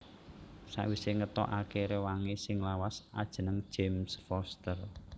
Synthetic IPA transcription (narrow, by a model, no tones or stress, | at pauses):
sa̰ʔwiseŋət̪ɔ̰ʔakeɾewaŋesɪŋlawasa̰d̥ʒ̥ə̤nəŋ̥ʒ̥emsfɔst̪ər